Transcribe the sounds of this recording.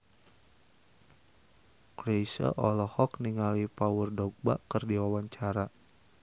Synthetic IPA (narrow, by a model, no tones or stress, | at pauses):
kɾesə̰ʔɔlɔhɔkniŋalipawurdɔɡ̚ba̰ʔkərdiwawaɲt͡ʃaɾa